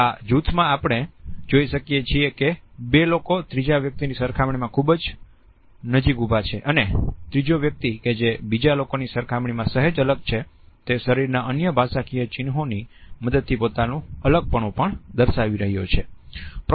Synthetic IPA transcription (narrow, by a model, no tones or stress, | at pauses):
ad͡ʒut̪ʰmãapəɳ̃ed͡ʒoiʃəkijet͡ʃʰiekebelokot̪ɾid͡ʒaʋjək̚t̪inisəɾkʰamɳ̃imãkʰubd͡ʒ | nəd͡ʒikubʱat͡ʃʰeʔənet̪ɾid͡ʒoʋjək̚t̪iked͡ʒebid͡ʒalokonisəɾkʰamɳimãsəɦəd͡ʒələɡ̚t͡ʃʰe | t̪eʃəɾiɾnaʔənjəbʱasakʰijət͡ʃɪnɦoniməd̪əd̪̚t̪ʰipot̪anũələɡ̚pəɳũpəɳd̪əɾʃaʋiɾəɦijot͡ʃʰep